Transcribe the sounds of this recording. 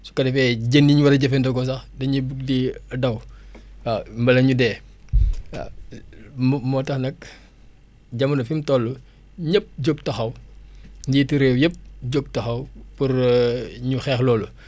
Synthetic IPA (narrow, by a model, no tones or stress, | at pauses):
su̥kɐdɛfɛɟendiɲuwɐɾɐɟɐfɛndɔɡɔs̬ɐxdɐɲibuk̚diɐdɐw | ambɐlɐɲudɛː | a̰ | mmɔːtɐxnɐk̚ | ɟɐmɐnɐfimtɔlːu | ɲɐp̚ɟoɡ̚tɐxɐw | ɲɟituɾeːwjɐp̚ɟoɡ̚tɐxɐwpuɾɲuxɛːxlɔːlu